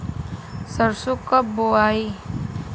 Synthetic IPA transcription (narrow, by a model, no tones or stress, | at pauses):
səɾsukːəboaːi